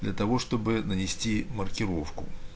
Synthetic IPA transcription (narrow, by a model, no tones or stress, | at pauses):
d̪lʲɐt̪ɐvo̞ʂt̪o̞bɨnənʲɪsʲtʲimərkʲɪɾo̞fkʊ̰